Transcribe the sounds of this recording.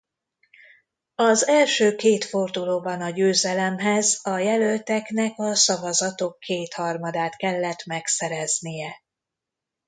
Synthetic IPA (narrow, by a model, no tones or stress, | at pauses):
ɒzɛlʃøːkeːt̪fo̞rd̪uloːbɒnɒɟøːzɛlɛmɦɛzɒjɛlølt̪ɛknɛkɒsɒvɒzɒt̪o̞kʰːeːt̪hɒrmɒd̪aːt̪kɛlːɛt̪mɛksɛɾɛznijɛ